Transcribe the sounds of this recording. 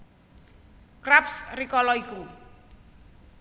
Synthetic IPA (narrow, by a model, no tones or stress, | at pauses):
krapsrikɔlɔiku